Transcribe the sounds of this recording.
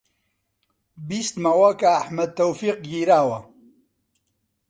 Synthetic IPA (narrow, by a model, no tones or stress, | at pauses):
biːst̪mɐwɐkaːħmɐd̪̚t̪ːɐwfiːq̚ɡiːɾaːwɐ